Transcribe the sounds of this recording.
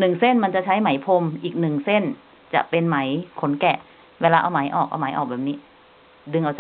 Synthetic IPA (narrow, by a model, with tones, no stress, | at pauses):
nɯ˨˩ŋse˥˩˨nma˧nt͡ɕa˨˩ʔt͡ɕʰa˦˥jma˩˦jpʰo˧mʔiː˨˩k̚nɯ˨˩ŋse˥˩n | t͡ɕa̰˨˩ʔpe˧nma˩˦jkʰo˩˦nkɛ˧˩ | weː˧laː˧ʔa̰˧wma˨˩˦jʔɔː˨˩k̚ʔa̰˧˩wma˨˩˦jʔɔ̰ː˨˩k̚bɛː˨˩p̚niː˦˥ | dɯ˧ŋʔa˧˩wa˧